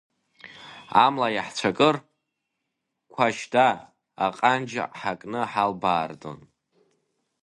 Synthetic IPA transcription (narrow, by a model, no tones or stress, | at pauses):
a̰mlajaħt͡ɕʷʰakʼɨr | kʷʰaʃda̰ː | qʼand͡ʒ̰ʔħakʼnɨħalbaːrdʼo̰n